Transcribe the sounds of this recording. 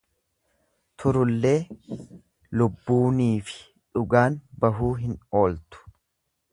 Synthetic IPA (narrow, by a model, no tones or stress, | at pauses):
t̪ʰʊɾʊlːe̞ː | lʊbːuːniːfɪ̥ | ᶑʊɡaːnbɐɦuːɦɪno̞ːlt̪ʊ̥